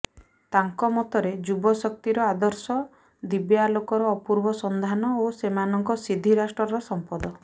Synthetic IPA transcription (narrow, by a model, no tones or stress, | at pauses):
t̪aŋkɔmɔt̪ɔɾed͡ʒubɔsɔk̚t̪iɾɔad̪ɔɾsɔ | d̪ibjalokɔɾɔːpuɾbɔsɔnd̪ʱanɔosemanɔŋkɔsid̪ʱiɾasʈɾɔɾɔsɔmpɔd̪ɔ